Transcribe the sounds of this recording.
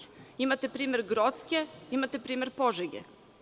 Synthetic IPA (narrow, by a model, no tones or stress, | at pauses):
imat̪epɾiːme̞ɾɡɾot̪skʲeimat̪epɾiːme̞ɾpoʒeɡḛ